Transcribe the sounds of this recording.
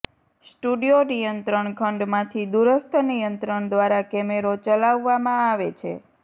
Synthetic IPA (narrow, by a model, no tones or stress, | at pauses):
sʈuɖijonijənt̪ɾəɳkʰəɳɖmãt̪ʰid̪uɾəst̪ʰənijənt̪ɾəɳd̪ʋaɾakɛmeɾot͡ʃəlaʋːamãaʋet͡ʃʰḛ